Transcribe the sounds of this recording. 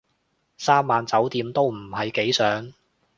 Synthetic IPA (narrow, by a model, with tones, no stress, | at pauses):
saː˥mːaː˨nt͡sɐ˨˥wt̪iː˨˧mt̪o˥wm̩˨˩ɦɐ˨jke˨˥jsœː˨˥ŋ